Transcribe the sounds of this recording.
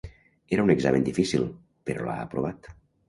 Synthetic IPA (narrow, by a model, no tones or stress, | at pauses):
eɾəuneɡzamend̪ifisilˠ | peɾɔ̰la̰ːpɾoβ̞at̪